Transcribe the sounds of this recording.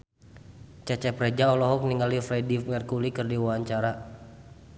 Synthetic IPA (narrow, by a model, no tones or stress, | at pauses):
t͡ʃat͡ʃɛpɾɛd͡ʒaɔlɔɦɔk̚niŋɡalifɾɛdimɛrkulikɨrdiwaaɲt͡ʃaɾa